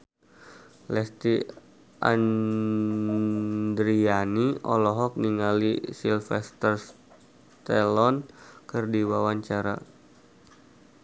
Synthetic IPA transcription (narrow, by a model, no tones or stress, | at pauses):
lɛst̪i | ʔa̰n | dɾianiɔ̰lɔɦɔk̚niŋalisilfɛst̪ərs | t̪ɛlɔnkɨrdiwawaɲt͡ʃaɾa̰